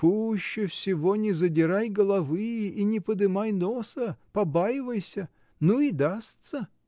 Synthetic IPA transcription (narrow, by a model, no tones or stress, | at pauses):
puɕːɪfsʲɪvonʲɪzədʲɪɾajɡəlˠɐvɨinʲɪpəd̪ɨmajnosəpɐbajɪvəjsʲə | nuid̪ast̪sə